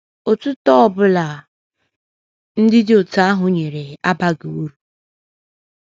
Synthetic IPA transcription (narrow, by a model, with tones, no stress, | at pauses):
o˨tʊ˦tɔ˦ɔ˦˨bʊ˦la˨ | n̩˦dɪ˦dɪ˦o˨ta˦a˦ɦʊ˨ɲe˨ɾe˨a˦ba˦ɡe˨wu˦ɾu˨